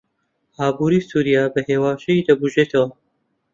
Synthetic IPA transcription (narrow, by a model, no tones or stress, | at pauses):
haːbuːɾiːsuːɾijaːbɐheːwaːʃɐjiːd̪ɐbuʒeːt̪ʰɐwɐ